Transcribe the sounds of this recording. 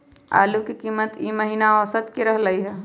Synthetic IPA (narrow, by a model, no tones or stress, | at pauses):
a̰ːlukikimːət̪iməɦinaɔsət̪kiɾəɦləiɦɛː